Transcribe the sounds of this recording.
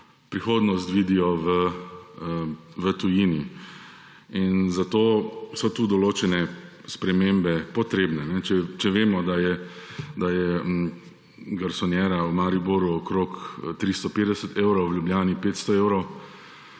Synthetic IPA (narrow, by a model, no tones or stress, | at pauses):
pɾixoːd̪nɔst̪ʋiːd̪ijɔʋə | ʋət̪ujiːni | inzat̪oːsɔt̪uːd̪ɔloːt͡ʃɛnɛ | spɾɛmeːmbɛpɔt̪ɾeːbnɛnɛt͡ʃɛt͡ʃɛʋeːmɔd̪ajɛd̪ajɛ | ɡaɾsɔnjɛɾaumaɾiboɾuɔkɾoːkt̪ɾist̪ɔpeːd̪ɛsət̪eːʊɾɔwwljubljaːnipeːt̪st̪ɔeːwɾɔw